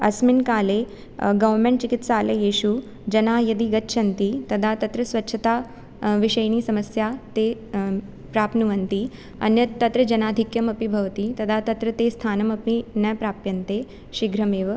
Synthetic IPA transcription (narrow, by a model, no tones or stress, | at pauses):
ɐ̰sminkaːle | ɡɐʋɾmẽɳʈt͡ʃikit̪saːlejeːɕu | d͡ʒɐnajɐd̪iːɡɐtːʃʰɐnt̪iːt̪ɐd̪ʱat̪ɐt̪ɾɐsʋɐtːɕʰɐt̪a | ʋiɕɐjñiːsɐməsjat̪e | pɾaːpnuʋɐnt̪iː | ɐ̰njɐt̪ːɐt̪ɾəd͡ʒɐnaːd̪ʱikjɐmɐpibʱɐʋt̪iːt̪ɐd̪ʱat̪ɐt̪ɾɐt̪est̪ʰaːnɐmɐpinɐpɾaːpjɐnt̪e | ɕiɡɾɐmeːʋ